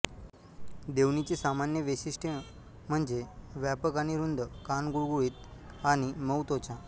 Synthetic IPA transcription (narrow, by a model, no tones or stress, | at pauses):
d̪eʋnit͡ɕisamanjəʋesisʈʰe | m̤əɳd͡zeʋjapəkaniɾund̪ʱəkanɡuɭɡuɭit̪ | animəwt̪ot͡ɕã